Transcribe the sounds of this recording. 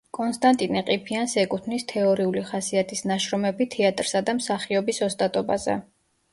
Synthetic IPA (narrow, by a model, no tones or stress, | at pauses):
kʼɔnst̪ʼant̪ʼinɛqʼipʰiansɛkʼut̪ʰnist̪ʰɛɔɾiuliχasiat̪ʰisnaʃɾɔmɛbit̪ʰɛat̪ʼɾsad̪amsaχiɔbisɔst̪ʼat̪ʼɔbazɛ̰